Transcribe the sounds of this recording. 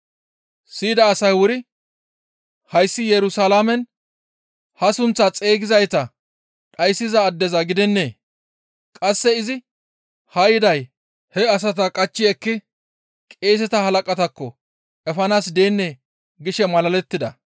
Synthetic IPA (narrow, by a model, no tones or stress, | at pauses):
siːd̪ɐːsɐjwʊɾɪ | hɐjsːɪjɛɾʊsalaːmɛn | hɐsʊnt͡sːɐt͡sʼe̞ːɡɪzɐjt̪ɐ | ɗɐjsːɪzɐːd̪ːɛzɐɡɪd̪ɛnːe̞ː | kʼɐsːɛɪzɪ | hɐjɪd̪ɐj | hɛɐs̬ɐt̪ɐkʼɐt͡ʃːɪɛkːɪ | kʼe̞ːs̬ɛt̪ɐhɐlɐkʼɐt̪ɐkːɔ | ɛfɐnaːsd̪e̞ːnːe | ɡɪʃɛmɐlɐlɛt̪ːɪd̪ɐ